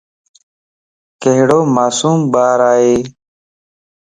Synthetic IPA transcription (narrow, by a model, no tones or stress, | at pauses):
kəɦɽoːmaːsuːmbaːɾaːɦeː